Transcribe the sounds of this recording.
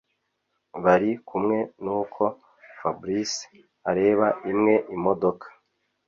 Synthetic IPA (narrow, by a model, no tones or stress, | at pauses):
βaɾikumŋe̞nuːkʰo̞ | fabɾis | aɾe̞ːβaʔimŋe̞ʔimo̞do̞kʰḁ